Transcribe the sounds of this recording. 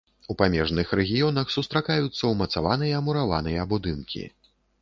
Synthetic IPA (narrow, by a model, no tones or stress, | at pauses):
upamʲɛʐnɨxɾɛɣʲijɔn̪ɐxsust̪ɾakajut̪sːɐwmɐt̪savan̪ɨjɐːmuɾava̰nɨjɐːbud̪ɨnkʲḭ